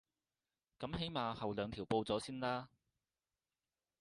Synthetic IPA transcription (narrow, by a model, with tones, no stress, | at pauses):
kɐ˨˥mɦe˨˥jmaː˨hɐ˨wlœː˨˧ŋt̪ʰiː˨˩wpo˧wt͡sɔː˨˥siː˥nlaː˥